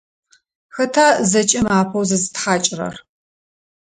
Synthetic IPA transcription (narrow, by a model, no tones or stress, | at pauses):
xɐtʰaːzɐt͡ʃʼɪmaːpʰɐwzɐzɨtħaːt͡ʃʼɪrɐ̰r